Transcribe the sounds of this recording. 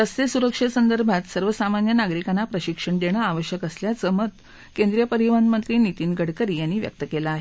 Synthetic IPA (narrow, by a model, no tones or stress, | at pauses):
t̪əsesuɾəkʂəsənd̪əɾbʱat̪səɾʋəsamanjənaɡɾikanːapɾəɕikʂəɳɖ̪eɽ̃əaʋəɕjəkəsljat͡səmət̪ | kend̪ɾijəpəɾiʋand̪mənt̪ɾiːnit̪iːnɡʱəɽkəɾiːjanːiːʋjə̰k̚t̪əkelaːɦe